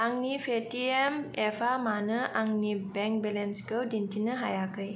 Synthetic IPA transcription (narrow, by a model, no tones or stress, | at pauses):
aŋnipʰetiɛmɛfʰamanəʔaŋnibɛŋk̚bɛlɛnskəwdintinəɦajakəj